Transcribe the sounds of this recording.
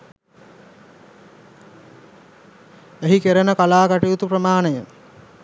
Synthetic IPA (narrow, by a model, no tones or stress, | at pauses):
eɦikeɾənəkalaːkaʈijut̪uprəmaːnəjəŋ